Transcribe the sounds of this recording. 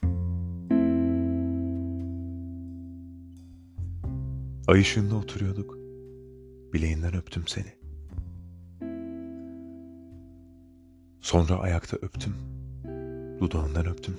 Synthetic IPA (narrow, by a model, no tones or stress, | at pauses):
ajɯʃɯnd̪aot̪ʰuɾujo̞d̪uk | b̥ilʲejind̪ænøpt̪ʰymse̞̰ni | so̞nɾa̰ʔa̰jakt̪ʰaʔøpt̪ʰym | d̪̥ud̪aɯnd̪anøp̚t̪ʰym